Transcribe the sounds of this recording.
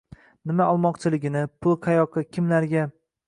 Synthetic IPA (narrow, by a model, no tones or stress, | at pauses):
nɪmaɒlˠmɒqt͡ʃʰɪlɪɡʲɪnɪpʰʊlˠqʰɑjɒqʰːɨkʲʰɪmlaɾɡʲa